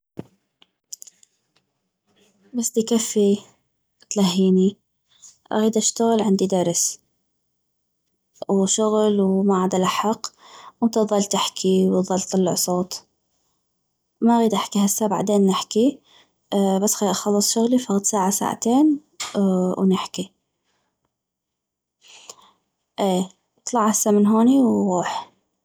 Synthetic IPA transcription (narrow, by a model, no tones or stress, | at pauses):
basd̪ikafːi | t̪laɦːiːni | ʔa̰ɣiːd̪ʔaʃt̪aɣɪlʕɪnd̪id̪aɾˤs | wʃʊɣlwmaʕaːd̪alaħɑqwnt̪ɑðˤɑlt̪aħkʰiwðˤɑlt̪ːɑlːɪ̰ʕsˤoːt̪ | maɣiːd̪ʔaħkihasːaba̰ʕd̪eːnːɪħki | basːxaʔɑxɑlːɨsˤʃʊɣlifaɣid̪saːʕasa̰ːʕa̰t̪eːn | wnɪħki | ʔeː | t̪ˤlɑʕhasːamɪnɦoːniwɣuːħ